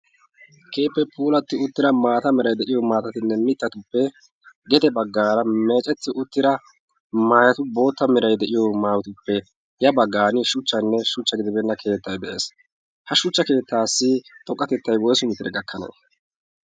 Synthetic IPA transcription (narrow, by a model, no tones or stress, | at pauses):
kʰe̞ːpːɛpʰuːlɐt̪ːɪʊt̪ːɪɾɐmaːt̪ɐmɛɾɐjd̪ɛʔɪjɔmaːt̪ɐt̪ɪnːɛmɪt̪ːɐt̪ʊpːɛ | ɡɛd̪ɛbɐɡːaːɾɐme̞ːt͡ʃʼɛt̪ːɪʔʊt̪ːɪɾɐ | maːjɐt̪ʊbo̞ːt̪ːɐmɪɾɐjd̪ɛʔɪjɔmaːwt̪ʊpːɛ | jɐbɐɡːaːnɪʃʊt͡ʃːɐnːɛʃʊt͡ʃːɐɡɪd̪ɪbɛnːɐkʰe̞ːt̪ːɐjd̪ɛʔe̞ːs | hɐʃʊt͡ʃːɐke̞ːt̪ːaːsːɪt̪ʼɔkʼːɐt̪ɛt̪ːɐjwɔjsʊmɪt̪ɪɾɛɡɐkʰːɐnḛː